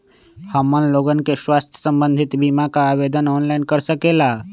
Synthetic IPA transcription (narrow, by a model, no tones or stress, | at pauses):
həmənloːɡənkeʃwaːst̪ʰjə̥sə̃mbə̃nd̪ʱɪt̪bimakaːʋed̪ənɔːnlaːinkəɾsəkela